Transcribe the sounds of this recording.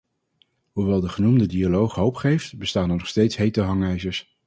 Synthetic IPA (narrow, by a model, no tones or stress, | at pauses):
ɦuʋɛlˠdəχənumdədialowχɦowpχejftbəstaːnɛɹnɔχstejtsɦejtəɦɑŋɛjzəɹs